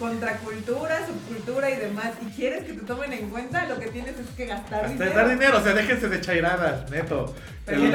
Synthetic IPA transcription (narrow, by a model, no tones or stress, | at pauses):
ko̞nt̪ɾakult̪uɾasuβkult̪uɾaiðe̞masikje̞ɾe̞ske̞t̪e̞t̪o̞me̞nẽ̞ŋkwe̞nt̪alo̞ke̞t̪je̞nese̞skeɣast̪aɾðinaðaɾðine̞ɾoːseaðe̞xenseðet͡ʃajɾaðasnet̪o | pe